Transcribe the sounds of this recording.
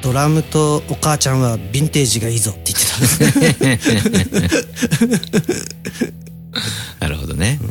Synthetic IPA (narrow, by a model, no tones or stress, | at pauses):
d̪̥o̞ɾamɯ̟t̪o̞ːkaːt͡ɕãɰ̃βabʲĩnt̪e̞ːʑiɡaizot̪ːe̞i̥t̪e̞t̪ãndese | na̰ɾɯ̰ho̰d̪o̰neɯ̃